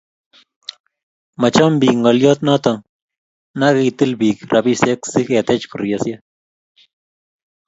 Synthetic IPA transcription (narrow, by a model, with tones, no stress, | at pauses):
ma˨t͡ʃo˦mbi˨kŋɡo˨ljo˦t̪no˦t̪o˨ŋ | na˦ki˧i˧t̪ɨ˦lbi˨kɾʔa˨bi˦se˦ksi˦ke˨t̪e˦t͡ʃku˨ɾja˨sja˦